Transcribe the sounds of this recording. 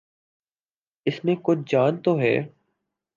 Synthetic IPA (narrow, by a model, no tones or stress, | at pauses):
ɪsmẽkʊt͡ʃʰd͡ʒaːnt̪oɦɛ̰ː